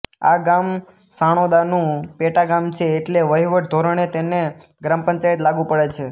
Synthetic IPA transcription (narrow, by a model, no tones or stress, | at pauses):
a̰ɡam | saɽ̃od̪anũpeʈaɡamt͡ʃʰeːʈleʋəɦiʋəʈd̪ʱoɾəɳ̃et̪eneɡɾampəɲt͡ʃait̪laɡũpəɽet͡ʃʰe